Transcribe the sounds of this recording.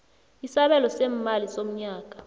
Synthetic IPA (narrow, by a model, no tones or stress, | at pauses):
isaɓɛlɔsɛm̩malisom̩ɲaːk̬ʼḁ